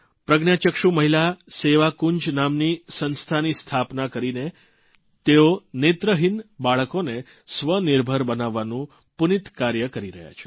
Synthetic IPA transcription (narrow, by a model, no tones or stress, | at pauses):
pɾəɡnjat͡ʃəkʃuməɦilaseʋakuɲd͡ʒnamnisənst̪ʰanist̪ʰapnakəɾine | t̪eonet̪ɾəɦinbaɭəkone | sʋəniɾbʱəɾbənaʋːanũ | punit̪kaɾjəkəɾiɾə̰ɦja̰t͡ʃʰe̥